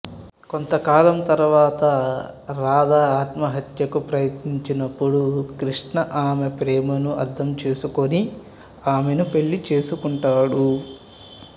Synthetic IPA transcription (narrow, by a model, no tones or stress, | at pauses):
ko̞nt̪ɐkaːlɐmt̪ɐɾuʋaːt̪ɐɾaːd̪aːaːt̪mɐɦɐt̪jɐkupɾɐjɐt̪niɲt͡ʃinɐpːuɽukɾiʂɳɐʔaːmepɾɛːmɐnuɐ̰d̪ʱːɐmt͡ʃe̞ːsuko̞ni | aːme̞nupe̞ɭːit͡ʃe̞ːsukuɳʈaːɽu